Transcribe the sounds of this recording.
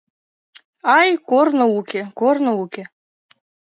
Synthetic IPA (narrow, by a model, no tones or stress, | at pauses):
ɑjkornŏukʲekornoukʲe